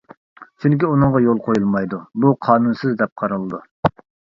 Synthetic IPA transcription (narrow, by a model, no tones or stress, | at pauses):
t͡ʃʰyŋkʲiunɨŋʁɑjolˠqʰojulˠmɑjd̪ubuqʰɑːnunsɨzd̪ɛp̚qʰɑɾɨlˠɨd̪u